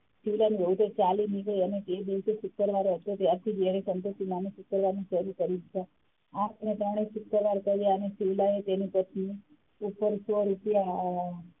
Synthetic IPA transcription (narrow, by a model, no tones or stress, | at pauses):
siʋlaniʋəut̪et͡ʃaliniɡəiəneked̪iʋseʃʊkːəɾʋaɾoɦət̪ot̪jaɾt̪ʰid͡ʒeɾisənt̪ut̪ːimaneʃʊkːəɾʋaɾniʃəɾukəɾit͡ʃʰe | ãənet̪emɽesʊkəɾʋaɾkəɾeanesiʋlaet̪enipət̪ni | upəɾsʋoɾit̪ja